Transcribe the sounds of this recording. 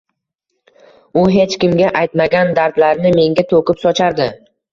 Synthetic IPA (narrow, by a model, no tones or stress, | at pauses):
ʊɦe̞t͡ʃkʲɪmɡʲaʔajt̪maɡʲand̪aɾd̪laɾnɪme̞ŋɡʲat̪ʰokʲɪpsɒt͡ʃʰaɾd̪ɪ